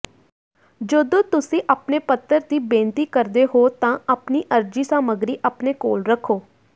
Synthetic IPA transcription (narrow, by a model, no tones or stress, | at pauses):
d͡ʒoːd̪õːt̪ʊsĩːʔəpneːpət̪ːəɾd̪iːbẽːnt̪iːkəɾd̪eːɦoːt̪ãːəpniːʔəɾd͡ʒiːsaːməɡɾiːʔəpneːkoːlɾəkʰːoː